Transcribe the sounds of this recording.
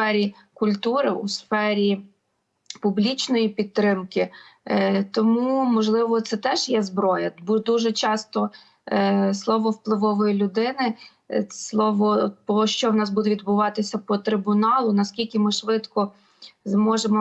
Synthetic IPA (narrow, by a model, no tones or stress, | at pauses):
fɛɾʲi | kʊlʲt̪uɾɪṵsfɛɾʲi | pʊblʲit͡ʃnɔjipʲid̪̚ɾɪmkɪ | t̪ɔmumɔʒlˠɪʋɔt̪sɛt̪ɛʒjɛzbɾɔjɐbud̪uʒɛt͡ʃɑst̪ɔ | slˠɔʋɔwplˠɪʋɔʋɔjilʲʊd̪ɪnɪ | slˠɔʋɔpɔʃt͡ʃɔwnɑsbud̪ɛʋʲid̪bʊʋɑt̪ɪsʲɐpɔt̪ɾɪbʊnɑlˠʊnɐskʲilʲkʲɪmɪʃʋɪt̪kɔ | zmɔʒemɔ